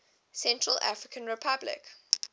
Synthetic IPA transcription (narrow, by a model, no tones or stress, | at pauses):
sɛ̃ntɹəlʔa̰fɹɪkʰə̃nɹɪpʰablɪ̰k